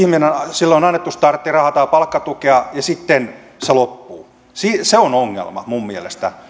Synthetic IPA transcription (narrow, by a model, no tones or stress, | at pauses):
ihminensilːonɑnːet̪ːust̪ɑrt̪ːirɑhɑt̪ɑːpɑlkːɑt̪ukeɑjɑsit̪ːen | selopːuː | siːseonoŋːḛlmɑ̰mummielest̪æ̰